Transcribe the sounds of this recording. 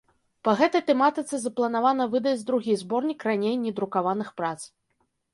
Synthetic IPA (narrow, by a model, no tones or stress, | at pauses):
pɐɣɛt̪ɐjt̪ɛmat̪ɨt̪sɨzɐplˠɐnavanɐvɨd̪ɐd͡zʲd̪ɾuɣʲizbɔrnʲikranʲejnʲɛd̪ɾukavanɨxpɾat̪s